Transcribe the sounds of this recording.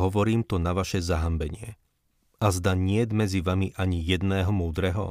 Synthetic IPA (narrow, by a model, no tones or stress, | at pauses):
ɦɔʋɔɾiːmt̪ɔnaʋaʃɛzaɦambɛɲɪɛ | ʔazd̪aɲɪɛd̪mɛd͡ziʋamiʔaɲijɛd̪nɛːɦɔmuːd̪ɾɛɦɔ̰